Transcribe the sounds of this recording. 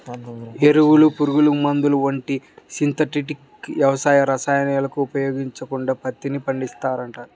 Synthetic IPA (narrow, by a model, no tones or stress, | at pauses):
e̞ɾuwulupuɾuɡulumɐnd̪uluʋɐɳʈisint̪ɐʈiʈik | ʋjɐʋɐsaːjɐɾɐsaːjɐnɐlɐkuːpɐjoːɡiɲt͡ʃɐkuɳɖaːpɐt̪ːinipɐɳɖist̪aːɾɐɳʈaːɾu